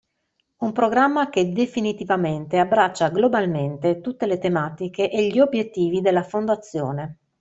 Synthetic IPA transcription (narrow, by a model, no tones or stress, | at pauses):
umpɾoɡɾamːak̟ed̪efinit̪ivament̪eabːɾat͡ʃːaɡlobalment̪et̪ut̪ːelet̪emaːt̪ikeʔeʎːiobjet̪ːiːvid̪elːafond̪at̪sːjoːne